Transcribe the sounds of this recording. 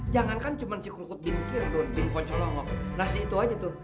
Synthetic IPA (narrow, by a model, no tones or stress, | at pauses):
d͡ʒaŋankant͡ʃumansikɾukʊt̪̚bɪnkidonbɪnkɔt͡ʃɔlɔŋɔknahsiːt̪uɦad͡ʒat̪u